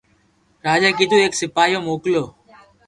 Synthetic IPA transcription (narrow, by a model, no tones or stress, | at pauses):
ɾaːd͡ʒaːkɪd̪uːeːksɪpaːijoːmoːkloː